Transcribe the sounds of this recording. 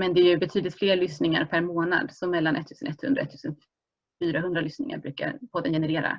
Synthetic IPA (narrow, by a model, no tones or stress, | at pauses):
mɛnd̪ɛɾjɵbɛt̪ʰyːd̪lɪt̪fleːɭʏsnɪŋa̰ɾpʰæɾmoːna̰d̪sɔmːɛlːanʔɛ̰t̪ʰːʉːsənɛt̪ʰːhɵnd̪ɾaɔɛ̰t̪ʰːʉ̟ːsən | fyːɾaɦɵnd̪ɾalʏsnɪŋa̰ɾbɾʉ̟ːka̰ɾpʰɔd̪ːənjɛnɛɾeːɾa̰